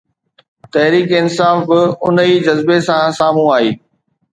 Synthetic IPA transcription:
t̪ɐɦɾiːkɪnsaːfbɪʊniːd͡ʑɐzbesãsaːm̤ũaːɦiː

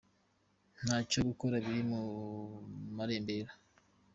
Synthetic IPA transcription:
n̥haːcoɡuko̞ɾaβiɾimu | maɾeːmbeɾa

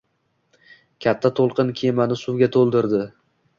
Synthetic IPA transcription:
kʲʰat̪ʰːat̪ʰolˠqɨnkʲʰemanɪsʊwɡʲat̪ʰolˠd̪ɪɾd̪ɪ

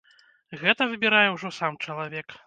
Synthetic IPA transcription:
ɣɛt̪ɐvɨbʲiɾajɛwʐɔsamt͡ʂɐlˠavʲɛk

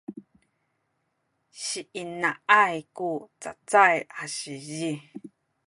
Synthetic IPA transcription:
ʃiʔinãʔajkut͡sa̰t͡sajaʃiji

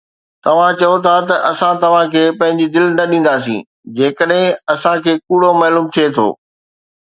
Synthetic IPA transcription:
t̪ɐʋ̤ãt͡ɕɐjot̪ʰat̪ɐʔɐsãt̪ɐʋ̤ãkʰeːpɐ̃ɦɪ̃ɲd͡ʑid̪ɪlnɐɗĩːn̆d̪aːs̬ḭ̃ː | d͡ʑeːkəɗɦɪ̃ɐsãkʰeːkuːɽomɐːluːmt̪ʰiet̪ʰo̰ː

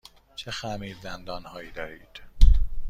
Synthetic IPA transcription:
t͡ʃʰexæmiːd̪zænd̪ɒːnhɒːjiːd̪ɒːɾiːd̪̥

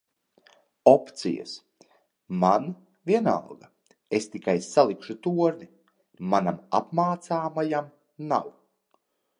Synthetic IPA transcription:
ɔpt̪sḭja̰s | man | viɛna̰lˠɡɐ | est̪ikajsalˠikʃut̪uɔɾni | manama̰pmaːt̪saːmajam | naw

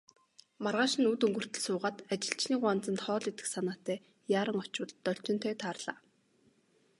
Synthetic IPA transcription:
marʁaːʃɪ̆nut̪ɵŋɡɵ̆r̥t̪ɘ̆ɮsʊːʁaːt̪at͡ɕɪ̆ɬt͡ɕniːkʊant͡sə̆nt̪χɔːɮet̪ɘ̆ksanaːt̪æː | jaːɾə̆ŋɔt͡ɕwə̆ɮt̪ːɔɬt͡ɕɪ̆nt̪ʰœːt̪ʰaːrɮaː

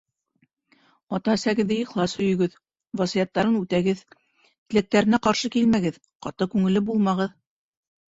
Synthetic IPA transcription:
ɑt̪ɑsæɡɘ̆ðɘiχlˠɑshɵ̆jɵ̆ɡɵð | vɑsijɑt̪ːɑɾɤnʉt̪æɡɘð | t̪ɘ̆læk̚t̪æɾɘ̆næqɑɾʃɤkilmæɡɘð | qɑ̰t̪ɤkʉŋɘ̆lɘbulˠmɑʁɤð

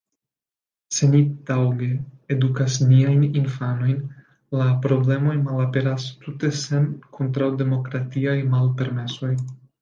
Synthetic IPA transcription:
se̞nid̥awɡe̞ːdukasniajninfano̞jn | lapɾo̞ble̞mo̞jmalape̞ɾastute̞se̞mkʰontɾawde̞mo̞kɾatiajmalpe̞ɾme̞so̞j

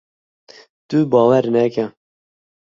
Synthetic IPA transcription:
t̪ubɑːwɛɾnɛkɛ

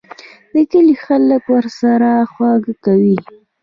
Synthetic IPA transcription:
d̪əkəlixaləkwəɾsaɾaxwɑɡkawi

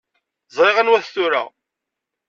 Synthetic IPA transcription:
zˤeʁənwæθθuɾæ̰

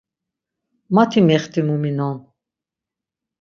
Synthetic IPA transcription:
mat̪ʰimɛχt̪ʰʼimuminɔn

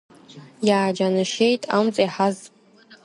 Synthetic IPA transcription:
jaːd͡ʒanɨʃejtʼa̰mt͡sʼaiħaz

